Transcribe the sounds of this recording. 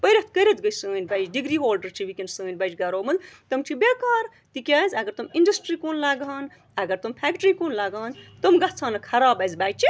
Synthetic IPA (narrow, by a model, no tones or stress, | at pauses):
pəɾʲɐt̪kəɾʲɐt̪ɡɐjsɨənʲbajd͡ʒɖiɡɾiːɦoːlɖɐɾt͡ʃʰiʋikʲensɨənbɐd͡ʒɡɐɾoːmɐzt̪ɐmt͡ʃʰibekaːɾ | t̪ikʲjaːzʲɐɡɐɾt̪umiɳɖɐsʈɾiːkoːnlaːɡaːn | ɐɡɐɾt̪ompʰʲæːk̚ʈɾikoːnlɐɡaːnt̪omɡɐt͡sʰaːnɐkʰɐɾaːbɐzbaːjt͡ʃʰi